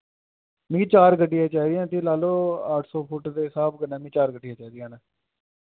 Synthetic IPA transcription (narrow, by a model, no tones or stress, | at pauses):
mĩːt͡ʃaːɾɡəɖːɪjãːt͡ʃaːid̪ɪjãːt̪iːlaːloːaːʈʰsɔːpʰʊʈd̪eːɪsaːbɡənãːmĩːt͡ʃaːɾɡəɖɪjãːt͡ʃaːd̪ɪjãːnaː